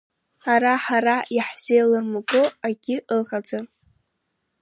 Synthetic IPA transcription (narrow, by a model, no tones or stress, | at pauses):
aɾaħaɾajaħz̥ejlɨrmaɡoaɡʲɪʔɨlʁad͡za